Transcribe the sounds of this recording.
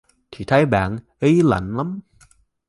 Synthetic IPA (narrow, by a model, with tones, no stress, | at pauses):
t̪ʰi˨˩t̪ʰa˨˦jɓa̰ː˧˩nʔi˧˦la̰˧˩nla˨˦m